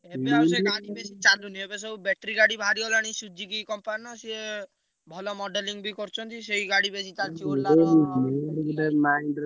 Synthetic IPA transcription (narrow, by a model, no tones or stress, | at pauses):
ebeawseaɽibesit͡ʃaluniebesɔbubɛʈɾiɡaɽibʱaɾiɔlaɽ̃isud͡ʒʱikikɔmpanɔsie | bʱɔlɔmɔɖeliŋbʱikɔɾt͡ʃʰɔnt̪isejɡaɽibesit͡ʃalt͡ʃʰiɔlaeimɡɖemainɖ